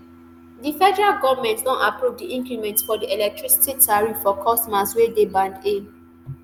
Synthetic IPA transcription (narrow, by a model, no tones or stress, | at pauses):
difɛdɛɹalɡɔvmɛ̃ntdɔ̃napɹuvdiʔĩŋkɹimɛ̃ntfɔdiɛlɛk̚tʰɹisi̥titʰaɹiffɔkʰɔstɔmaswedebãndẽm